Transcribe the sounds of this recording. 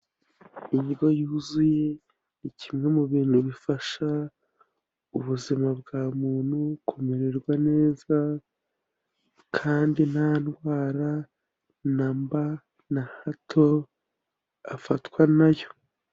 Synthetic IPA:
iɲɡo̞juːzuje̞ | nicʰimŋe̞muβiːn̥huβifaʃa | uβuzimabɡaːmuːn̥hukʰomeɾeɾɡwane̞ːza | kʰaːndinhanɡwaːɾa | namba | nahatʰo̞ | afatwanajo

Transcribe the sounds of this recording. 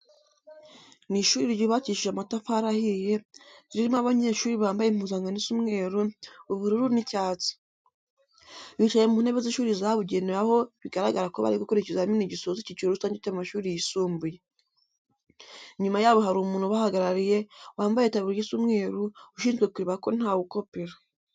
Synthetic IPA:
niʃuːɾiɾɟoβaciʃiʒamatafaɾahije̞ziɾimoaβaɲeːʃuːɾiβaːmbajem̥uːzaŋɡanisumŋe̞ːɾuuβuɾuɾunicaːt͡si̥ | βit͡ʃajemuːn̥e̞βeziʃuːɾizaβuɟeneɾaho̞βiɡaɾaɡaɾakoβa̰ɾikokoɾecezaminiɟisozicit͡ʃueɾusaːɲɟeteβamaʃuːɾijisuːmbuje | ɲumajaβohaɾumuːnuβahaɡaɾaɾije̞waːmbajetaβiɾjisumŋe̞ːɾuuʃiːnzɡe̞kuɾiβako̞n̥aːwuko̞peɾa

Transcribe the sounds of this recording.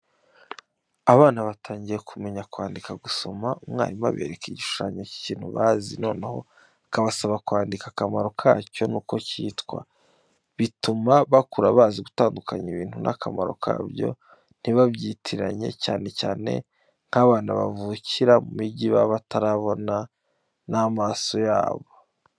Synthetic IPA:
aβaːnaβatʰaːɲɟije̞kʰume̞ɲakwaːndikaɡuso̞maumŋa̰ːɾima̰βe̞̰ːɾekiɟiʃu̥ʃaɲoci̥ciːn̥huβaːzino̞ːneho̞̰ | kaβasaβakwaːndikakamaɾo̞kʰa̰ːco̞nuːko̞citkwa̰ | βitumaβakuɾaβaːziɡutaːndukʰaɲiβiːn̥hunʔa̰kʰamaɾo̞̰kʰa̰ːbjo̞̰ | n̥iβabɟiːtʰiɾaɲe̞caːne̞caːne̞̰ | ŋ̥haβaːnaβa̰vuciɾamumiɟiβaβatʰaɾaβo̞na | namaːso̞ja̰ːβo̞

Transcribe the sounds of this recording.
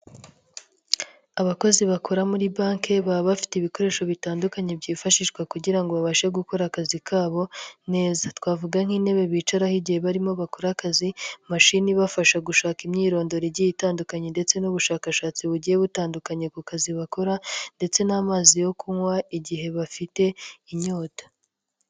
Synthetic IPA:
aβako̞ziβakʰoɾamuɾibaːŋke̞βaβafi̥teβiko̞ɾe̞ːʃo̞βitaːndukaɲebɟiːfaʃiʃkwakuɟiɾaŋɡo̞βaβaʃeɡuko̞ɾakazikʰaːβo̞ne̞ːzatwaːvuɡaŋ̥hiːne̞βe̞βiːt͡ʃaɾahiɟihe̞βaɾimo̞βakoɾakazimaʃiniβafaʃaɡuʃaːkimɲiːɾo̞ːndo̞ɾiɟijitaːndukaɲende̞t͡se̞nuβuʃaːkaʃaːt͡siβuɟije̞βutaːndukaɲekukaziβako̞ɾande̞t͡se̞naːmaːzijo̞kuŋwaiɟiɦe̞βafite̞iɲo̞ːtḁ

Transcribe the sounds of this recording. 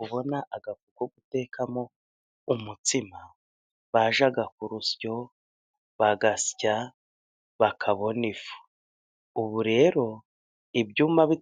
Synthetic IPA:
uβo̞naʔaɡafukuɡute̞ːkamo̞ | umutima | βaʒaɡak̚uɾusjo̞ | βaɡasca | βakʰaβo̞nifu̥ː | βuɾe̞ɾo̞ | ibɟuːmaβi

